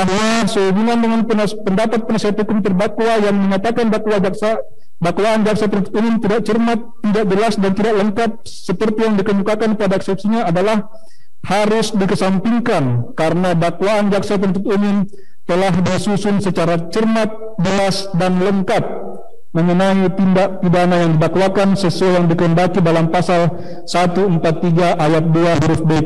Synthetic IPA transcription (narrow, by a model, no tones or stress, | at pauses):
aɦasəubuŋandəŋanpəpəndapat̪̚pənasiɦat̪̚hukʊmt̪ərbakwajaŋməɲat̪akandakwad͡ʒaksa | dakwaːnd͡ʒak̚satpənunt̪ʊ̥t̪umʊmt̪idak̚t͡ʃərmat̪ːidak̚d͡ʒəlasdant̪idaʔləŋkat̪̚ | səpərt̪ijaŋdikəɲukakanpadaɛksɛp̚siɲaːdalah | haɾʊsdikəsampiŋkankaɾənadakwaːnd͡ʒaksat̪̬ənt̪ʊt̪umʊm | t̪əlahdisusʊnsət͡ʃaɾat͡ʃərmat̪̚ | d͡ʒəlasdanləŋkat̪̚ | məŋənait̪indaʔ̚pidanajaŋdidakwakansəsuajaŋdikəəndakidalampasal | sat̪uəmpat̪ːiɡaʔajat̪̚duaɦɾʊfbak̚